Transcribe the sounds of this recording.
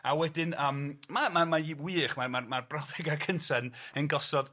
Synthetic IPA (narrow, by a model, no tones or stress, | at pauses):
awɛdɪnəːmmamamaiwiːχmarmarmarbrɔvɪɡakʰəntʰɛnənɡɔsɔd̥